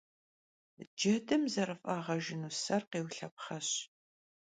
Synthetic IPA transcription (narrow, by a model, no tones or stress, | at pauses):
d͡ʒɐdɨmzɐrɨfʼaːʁɐʒɪnuːsɐrqeːwɬɐp̚χɐɕ